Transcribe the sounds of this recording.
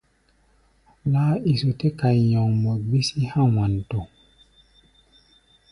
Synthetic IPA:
laː˦i˨so˨te˦ka˨jɔ̃˨ŋmo˨bi˦si˦hã˦wã˨n˨to˨

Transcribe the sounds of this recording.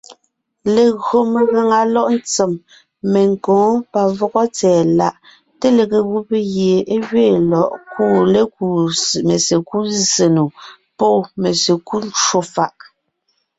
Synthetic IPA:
le˨ɣɰo˨me˨ɣa˨ŋa˨lɔ˦ʔn̩˦t͡se˨m | me˨ŋ˨kɔ̃ː˨˦pa˨vɔ˦ɣɔ˦t͡sɛː˨la˨ʔ | te˦le˨ɣe˨ɣu˦pe˦ɣje˨e˦ɣɥeː˦˨lɔ˨ʔku˦˨le˦ku˨me˨se˨ku˦ze˨nu˨ | pɔ˦˨me˨se˨ku˦lt͡ʃwo˦fa˨ʔ

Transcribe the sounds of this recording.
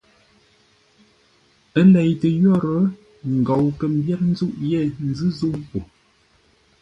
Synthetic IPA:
ə˦lɛ˨jtə˨jɔ˦˨ɾə˨˦ | ŋ̩˨ɡɔ˨wkə˨m̩˦bjɛ˦t̚n̩˦zu˦ʔjɛ˦˨n˨zɨ˦zu˦wpo˨

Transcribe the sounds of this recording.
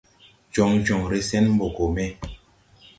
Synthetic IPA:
d͡ʒɔ˨ŋd͡ʒɔ˨ŋɾe˨sɛ˦nm̩˦bo˨ko˨mɛ˦

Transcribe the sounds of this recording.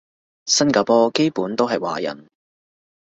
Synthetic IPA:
sɐ˥nkaː˧pɔː˥ke˥jpuː˨˥nt̪o˥wɦɐ˨jwa̰ː˨jɐ̰˨˩n

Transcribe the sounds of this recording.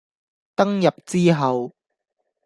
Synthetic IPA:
t̪ɐ˥ŋjɐ˨p̚t͡siː˥ɦɐ˨˧w

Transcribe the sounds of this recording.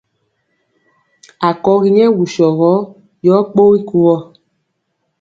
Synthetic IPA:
a˨kɔ˨˦ɣi˦ɲɛ˦wu˨ʃɔ˨ɣɔ˦ | jɔ˨˦k͡po˦i˦ku˦wɔ˦

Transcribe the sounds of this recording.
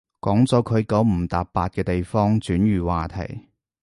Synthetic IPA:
kɔː˨˥ŋt͡sɔː˨˥kʰɵ˨˧ɥkɐ˨˥wm̩˨˩t̪aː˨ppːaː˧t̚kɛː˧t̪e˨jfɔː˥ŋt͡syː˨˥nɥyː˨waː˨˩t̪ʰɐ̰˨˩j

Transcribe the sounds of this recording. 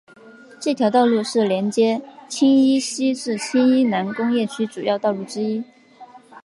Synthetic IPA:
ʈ͡ʂɤ˥˩t̪ʰjɑ˧˥ʊt̪ɑ˥˧ʊlu˥˧ʂɻ̩˥˩ljɛ˧˥nt͡ɕjɛ˥t͡ɕʰi˥ŋi˥ɕi˥ʈ͡ʂɻ̩˥˩t͡ɕʰi˥ŋi˥na˧˥nkʊ˥ŋjɛ˥˩t͡ɕʰy˥ʈ͡ʂu˨˩jɑ˥˧ʊt̪ɑ˥˧ʊlu˥˩ʈ͡ʂɻ̩˥i˥

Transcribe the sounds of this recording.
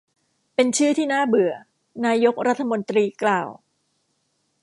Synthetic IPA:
pe˧nt͡ɕʰɯː˥˩t̪ʰiː˥˩naː˥˩bɯ˨˩ɐ | naː˧jo˦˥k̚ɾa˦˥t̪ʰːa˧mo˧nt̪ɾiː˧klaː˧˩w

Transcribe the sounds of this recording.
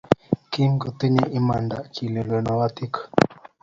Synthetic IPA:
ki˦mku˨t̪i˦ni˦ʔi˦ma˨nda˨kʰi˨le˨lwe˨nɔ˨wa˦t̪i˦k

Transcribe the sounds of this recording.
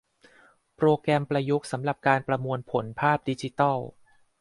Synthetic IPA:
pɾoː˧kɾɛ˧mpɾa˧ju˦˥k̚sa˩˦mɾa˨˩p̚kaː˧npɾa˧mu˧ənpʰo˩˦npʰaː˥˩p̚di˧t͡ɕi˧˦t̪ɔ˥˩w

